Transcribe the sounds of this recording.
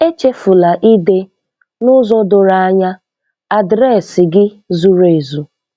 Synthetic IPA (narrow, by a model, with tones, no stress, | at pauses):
e˦t͡ʃe˦fʊ˨la˨ʔi˦de˦ | nʊ˦zɔ˦dʊ˨ɾa˨a˦ɲa˦ | a˨dɾɛ˦˨sɪ˨ɡɪ˦ | zu˨ɾe˨zu˨